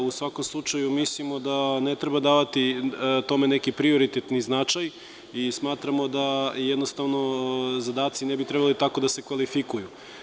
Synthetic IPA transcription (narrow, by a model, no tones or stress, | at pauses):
usʋako̞mslˠut͡ʃajumislimod̪anet̪ɾebad̪aːʋat̪it̪o̞me̞ne̞kipɾio̞ɾit̪et̪niznat͡ʃaj | ismaːt̪ɾamod̪ajed̪nost̪aʋno̞zad̪aːt̪sinebit̪ɾebalit̪ako̞d̪ase̞kʋalifikuju